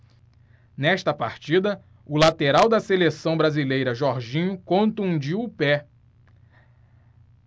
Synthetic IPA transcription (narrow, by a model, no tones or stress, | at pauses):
nɛʃt̪ɐpaɾt͡ʃid̪ɐ | ʊlat̪eɾawd̪ɐselesɐ̃w̃bɾazilejɾɐʒɔɾʒĩɲʊkõt̪uũd͡ʒiʊpɛ